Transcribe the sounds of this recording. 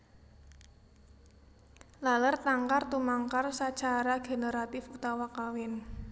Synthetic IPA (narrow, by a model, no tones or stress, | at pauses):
lalərt̪aŋkart̪umaŋkarsat͡ʃaɾaɡ̥e̤neɾat̪ɪfut̪awakawɪn